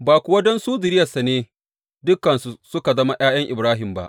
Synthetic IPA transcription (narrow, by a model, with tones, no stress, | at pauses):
baː˨kʷʊ˨wɐ˦dɛ˦nsuː˦zɪ˨ɾɪ˦jɐ˨sa˨neː˦ | dʊ˦kːɐ˨nsu˨sʊ˦ka˨zɐ˦ma˦j̰aː˦j̰ɐ˦ŋʔɪ̰˨bɾaː˦ɦɪ˨mba̰˦ʔ